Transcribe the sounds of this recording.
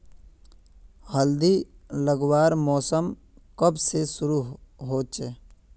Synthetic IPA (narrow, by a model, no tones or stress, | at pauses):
həld̪iləɡwaːɾmɔːsəm | kəbsesʊɾuɦoːt͡ʃeː